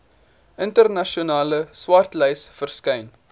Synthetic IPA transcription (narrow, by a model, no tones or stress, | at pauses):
ʔəntərnɐʃionɑːləswɐrtlɛjsfərskɛjn